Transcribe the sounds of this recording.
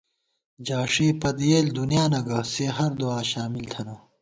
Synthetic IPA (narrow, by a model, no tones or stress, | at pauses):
d͡ʑaːʂiːpɐd̪jeːld̪unjaːnɐɡɐseːɦɐɾd̪uaːɕaːmilt̪ʰɐnɐ